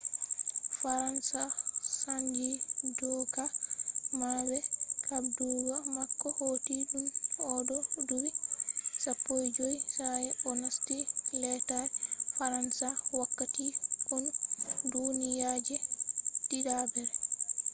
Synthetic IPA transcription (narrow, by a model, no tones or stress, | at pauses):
faɾansasand͡ʒidɔkamabɛkʰabduɾamakːɔhotid͡ʒumɔdɔduwisapːojd͡ʒojsajɛɔnastilɛtaɛfaɾansawakːatikɔndunijad͡ʒɛdiɗabɛɾɛ